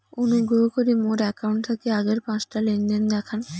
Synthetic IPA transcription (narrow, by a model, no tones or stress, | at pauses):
onuɡʱɾoɦokoɾimoɾɛkauɳʈt̪ʰakeaɡeɾpãt͡ɕʈalenɖend̪ɛkʰan